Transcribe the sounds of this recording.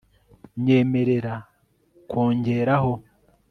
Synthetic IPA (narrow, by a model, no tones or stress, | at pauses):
ɲe̞ːme̞ɾe̞ɾa | kwoːɲɟe̞ɾaɦo̞